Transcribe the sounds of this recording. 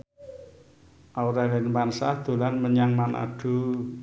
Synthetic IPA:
ʔawɾalɛnmansahd̪̥o̤lanməɲaŋmanʔa̰ɖ̥ṳ

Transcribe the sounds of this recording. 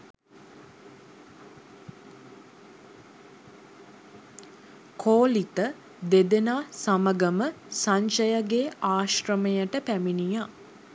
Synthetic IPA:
kʰoːlit̪ə | d̪ed̪enaːsaməɡəmə | saɲʃəjəɡeːaːʃrəmejəʈəpæminija

